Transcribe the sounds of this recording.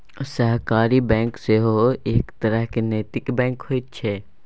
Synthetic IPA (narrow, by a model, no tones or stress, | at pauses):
səɦkaːɾibɛ̃ːŋkseɦoeːkt̪ɐɾəɦkeneːt̪ɪkbɛ̃ːŋkhoit̪t͡ʃʰeː